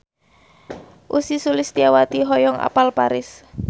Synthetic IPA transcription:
ʔusisulɪst̪iawat̪iɦɔjɔŋa̰palpaɾɪs

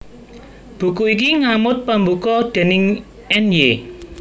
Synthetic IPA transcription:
b̥ṳkuik̬iŋamʊt̪̚pəmbukɔd̪̥ɛ̤nɪŋ | ɛnje

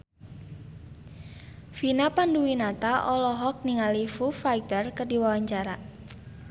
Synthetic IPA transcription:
finapanduwinat̪aʔɔlɔɦɔk̚niŋalifufajt̪ərkərdiwawaɲt͡ʃaɾa

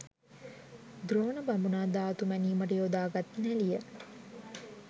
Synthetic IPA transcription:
d̪ɾoːnəbambunaːd̪aːt̪umæniːməʈ̬əjod̪aːɡat̪nælijə

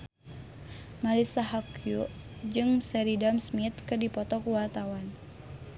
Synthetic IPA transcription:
malisaɦakju | d͡ʒɨŋsɛɾidamsmit̪kɨrdipɔt̪ɔkuwart̪awan

